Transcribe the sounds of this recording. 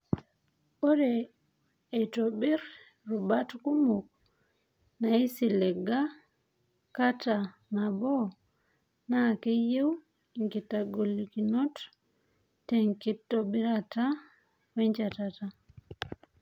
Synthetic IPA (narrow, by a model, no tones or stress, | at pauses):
oɾɛː | tobiɾ | ɾubatkumuk̚ | naisilɛɡa | kata | nabo | nakejew | iŋkitaɡolːikinot | teŋkitːobiɾata | wɛɲt͡ʃatata